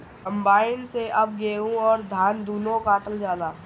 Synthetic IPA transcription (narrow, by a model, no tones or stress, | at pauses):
kə̃mbaːɪnseʔɐb̚ɡeːũɔːɾd̪ʱaːnd̪uːnõkaːʈəld͡ʒjaːd̪aː